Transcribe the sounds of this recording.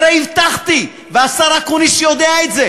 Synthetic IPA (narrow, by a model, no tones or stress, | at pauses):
ɾeivt̪aχt̪i | veasaɾakoniʃjod̪eaet̪ze